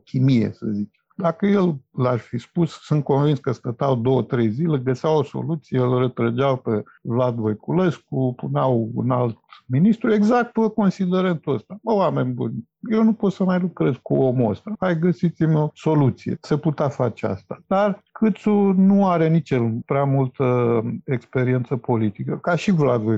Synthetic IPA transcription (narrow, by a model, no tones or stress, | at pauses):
kʲʰimijḛsə̰zit͡ʃed̪akəje̞llaʃfispussɨnt̪̚ko̞nvinskəst̪ət̪awd̪o̞wət̪ɾejzile̞ɡəseawoso̞̰lut̪sijeelrət̪ɾəd͡ʒawpe | vlad̪vojkule̞skupuneawṵnalt̪minist̪ɾue̞ɡzak̚t̪əko̞nsid̪eɾənt̪uəst̪aəwame̞nʲbṵnʲ | jewnupo̞t̪səmajlukɾe̞zkuomo̰st̪əhajɡəsit̪simʲoso̞lut̪sijḛsəput̪afat͡ʃea̰st̪ḁd̪arkʰɨt̪sunuaɾenit͡ʃepɾeamult̪əekspe̞ɾient̪səpo̞lit̪ikəkaʃivlad̪voj